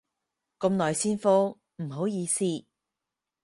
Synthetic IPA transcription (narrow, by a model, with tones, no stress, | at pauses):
ko˧mlɔː˨˩jsiː˥nfo˥˧ | m̩˨˩ɦo˨˧˥wjiː˨˧siː˥